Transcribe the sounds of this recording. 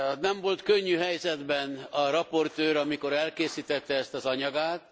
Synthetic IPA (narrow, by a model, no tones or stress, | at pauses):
nɛɱvo̞lt̪køɲːyɦɛjzɛd̪bɛnɒɾɒpo̞rt̪øːɾɒmiko̞ɾɛlkeːsiːt̪ɛt̪ːɛɛst̪ɒzɒɲɒɡaːt̪